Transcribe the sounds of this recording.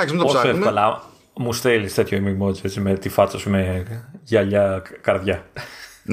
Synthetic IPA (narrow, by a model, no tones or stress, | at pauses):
ɐsmet̪ossɐeɐlɐ | must̪elist̪e̞t̪çoimimot͡set͡simet̪ifɐt͡sɐsumeʝɐʎɐkɐɾðʝɐ